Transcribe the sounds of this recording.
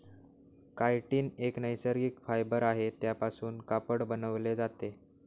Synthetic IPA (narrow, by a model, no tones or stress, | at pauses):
kajʈiːneknəjsəɾɡiːkfajbəɾaɦet̪japasuːnkapəɽbənəʋled͡zat̪e